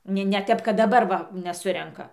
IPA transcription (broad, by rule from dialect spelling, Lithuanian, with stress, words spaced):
ˈnʲɛ nʲɛ ˈtʲɛp kɐt dɐˈbɐr ʋɐ nʲɛˈsʊrʲɛŋkɐ